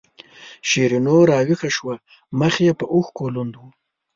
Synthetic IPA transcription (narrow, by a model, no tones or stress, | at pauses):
ʃeɾinoɾɑwixaʃwa | məxjepəʔuxkolund̪wu